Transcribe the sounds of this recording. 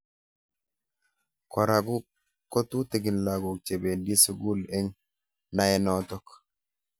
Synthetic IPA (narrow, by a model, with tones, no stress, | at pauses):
kɔ˨ɾa˨ɡu˦ | kːɔ˦t̪u˦t̪i˨ɡi˨nla˨ɡu˨k̚t͡ʃe˨be˨ndi˦su˦ɡu˦lɛ˦ŋ | na˦jɛ˦nɔt̪ɔ˦k